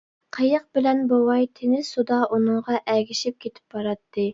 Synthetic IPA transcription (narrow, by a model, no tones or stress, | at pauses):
qʰəjəq̚bɪlɛnbowɑjt̪ʰenɪsud̪ɑʔunɨŋʁɑʔɛɡʲiʃip̚kʲʰet̪ʰɪ̥p̚bɑɾɑt̪ʰːɨ